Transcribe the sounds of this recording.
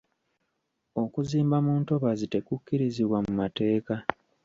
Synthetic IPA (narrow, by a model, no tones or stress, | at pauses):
o̞kuziːmbamuːnto̞βazite̞kukːiɾiziβwamumate̞ːka